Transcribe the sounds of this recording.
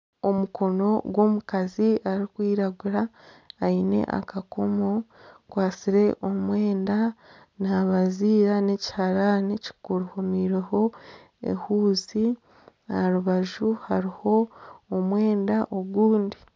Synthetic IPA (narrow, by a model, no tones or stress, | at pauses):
o̞mukʰo̞no̞ɡwo̞ːmukaziaɾikwiːɾaɡuɾaː | ine̞̰ʔa̰kakomokwaːsiɾe̞ʔo̞mweːnda | naβaziːɾane̞ci̥haɾaneci̥kuɾuhomiɾeho̞ | ḛhuːzi | aɾuβaʒuhaɾiho̞ːmwe̞ːndaʔoɡuːndi